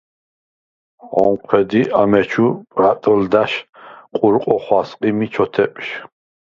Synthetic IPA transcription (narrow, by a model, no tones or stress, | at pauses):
ɔmqʰwɛd̪iʔamɛt͡ʃʰupʼɾat̪ʼɔld̪aʃqʼuɾqʼɔχwasqʼimit͡ʃʰɔt̪ʰɛpʼʃ